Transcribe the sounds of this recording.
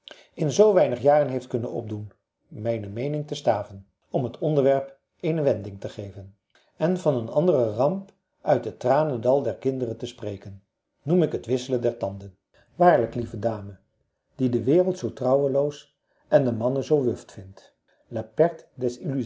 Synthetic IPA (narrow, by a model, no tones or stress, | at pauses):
ɪnzowʋɛjnəχjaːrənɦejft̚kɵnənɔ̰b̚dun | mɛjnəmejnɪŋtəstaːvən | ɔmɦətʰɔndəɹʋɛɹp | ejnəʋɛndɪŋtəχejvən | ɛnvɑnənɑndərərɑmp | ʔœɥt̚dətraːnədɑlˠdɛɹkɪndərəntəsprejkənː | umɪkɦətʋɪsələndɛɹtɑndən | ʋaːɹləklivədaːmə | d̥idəʋɪːrəlˠtsowtrɑwəlows | ʔɛndəmɑnəzowʋʏftfɪnt | lapɛɹtdɛsily